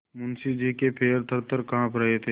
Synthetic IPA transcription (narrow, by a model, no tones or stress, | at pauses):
mʊnsid͡ʒikepʰeːɾt̪ʰəɾt̪əɾkããːpɾəɦet̪ʰe